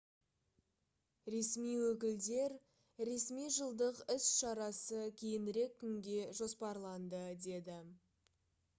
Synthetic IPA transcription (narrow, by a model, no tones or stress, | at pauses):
ɾe̞smijwɵkʲɪld̪e̞ɾ | ɾe̞smijʒəlˠd̪əqɪsʃɑɾɑsəkʲʰe̞jɪnɪɾe̞kʲʰːʏŋɡʲe̞ʒo̞spɑɾlˠɑnd̪əd̪e̞d̪ɪ